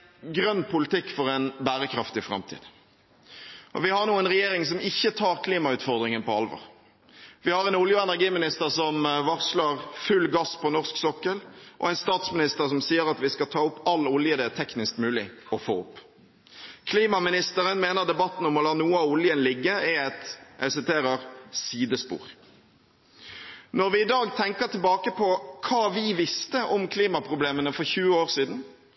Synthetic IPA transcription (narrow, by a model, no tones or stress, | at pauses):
ɡɾœnːpʰʊlɪt̪ʰɪkːfɔɾɛnbæːɾəkʰɾɑft̪ɪfɾɑ̰mt̪ʰḭːd̪ | ʔɔ̰ʋɪhɑʁnuːənɾɛjeːɾɪŋsɔmɪçːət̪ʰɑːɾkʰliːmɑʉːt̪fɔʁd̪ʁɪŋənpɔɑ̰lʋɔ̰ʁ | ʋɪhɑɾɛnʊljəɛnæʁɡiːmɪnɪst̪əʁsɔmʋɑʁslɑʁfʉlɡɑspɔnɔʁsksɔkːəlʔɔ̰æɪnst̪ɑːt̪smɪnɪst̪əɾsɔmsiːəɾɑt̪ʋɪskɑt̪ʰɑːʊpːɑlːʊljəd̪ɛæt̪ʰɛknɪskmʉːlɪɔfo̰ːʊpː | kʰliːmɑmɪnɪst̪əɾənmeːnəʁd̪ɛbɑt̪ːn̩ɔmɔlɑːnuːəɑʊljənlɪɡːəɛɛt̪ʔɛsɪt̪ʰeːɾəɾsiːd̪əspṵːʁ | nɔʁʋɪɪd̪ɑːɡt̪ʰɛŋkət̪ʰɪlbɑːkəpʰɔkʰɑːʋɪʋɪst̪əʔɔmkʰliːmɑpʰʁʊbleːmənəfɔɾçʉːəoːʁsiːd̪n̩